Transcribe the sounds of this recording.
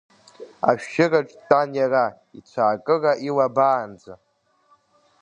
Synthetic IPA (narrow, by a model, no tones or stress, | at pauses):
a̰ʃᶣʃɪraʈ͡ʂʷʼtʼanjara | it͡ɕʷʰaːkʼɨraʔilabaːnd͡za